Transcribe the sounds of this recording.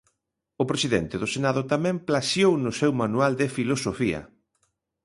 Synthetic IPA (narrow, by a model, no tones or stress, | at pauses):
ʊpɾesiðɛnt̪ɪðʊsenaðʊt̪amɛ̃mplasjownʊsewmanuald̪ɪfilosofiɐ̰